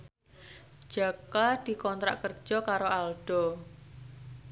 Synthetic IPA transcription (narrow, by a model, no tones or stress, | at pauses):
d͡ʒ̥a̤kad̪̥i̤kɔnt̪ɾa̰ʔkər̥ʒ̥ɔkaɾoalɖ̥ɔ